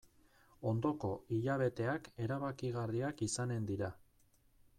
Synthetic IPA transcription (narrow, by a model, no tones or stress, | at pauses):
o̞nd̪o̞ko̞iʎaβ̞e̞t̪e̞ake̞ɾaβakiɣariakisane̞nd̪iɾa